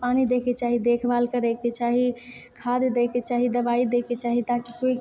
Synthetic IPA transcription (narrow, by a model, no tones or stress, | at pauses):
panid̪ekʰet͡ʃaɦid̪ekʰbalkəɾɛket͡ʃaɦi | kʰad̪d̪ekʰet͡ʃaɦid̪əbaid̪ekʰet͡ʃaɦit̪akikoi